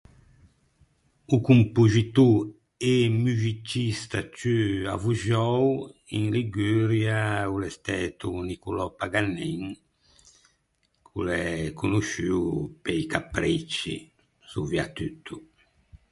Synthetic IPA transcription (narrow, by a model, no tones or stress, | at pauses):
ukumpuzit̪u | emyzit͡ʃːist̪at͡ʃya̰vuʒɔwiŋliɡyːɾjaulɛst̪ɛːt̪unikulɔpaɡanːiŋ | kʰulɛkunuʃypɛikapɾit͡ʃːḭ | suviat̪yt̪ʰːu